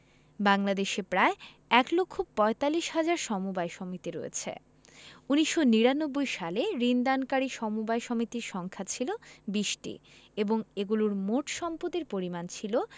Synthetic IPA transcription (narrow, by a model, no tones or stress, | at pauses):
baŋlad̪eʃepɾae | ɛklokʰːopɔet̪alːiʃɦad͡ʑaɾʃɔmubaeʃɔmit̪iɾo̰ḛt͡ɕʰḛ | uniʃːoniɾanobːojʃaleɾind̪ankaɾiʃɔmubajʃɔmit̪iɾʃɔŋkʰat͡ɕʰilobiʃʈḭeboŋeɡuluɾmoʈʃɔmpot̪iɾpoɾimant͡ɕʰilo